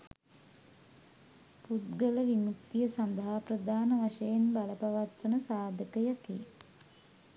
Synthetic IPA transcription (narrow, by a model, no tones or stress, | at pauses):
put̪ɡələʋinuk̚t̪ijəsand̪ɐɦaprəd̪aːnəʋaʂəjenbaləpaʋat̪ʋənəsaːd̪ʱəkəjakḭ